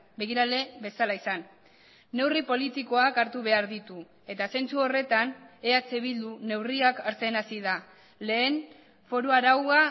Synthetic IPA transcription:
be̞ɣ̞iɾale̞βe̞salaisanː | e̞wripo̞lit̪iko̞akaɾt̪uβe̞aɾðit̪u | e̞t̪ase̞nt͡suo̞re̞t̪ane̞at͡seβ̞ild̪une̞wriakaɾt͡seːnasiða | le̞ːn | fo̞ɾuaɾawɣa

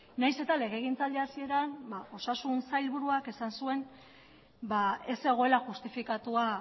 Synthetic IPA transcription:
najse̞t̪ale̞ɣ̞e̞ɣ̞int͡sald̪easie̞ɾanbao̞sasunsajlβuɾuake̞sansue̞n | bae̞se̞ɣ̞o̞e̞laxust̪ifikat̪ua

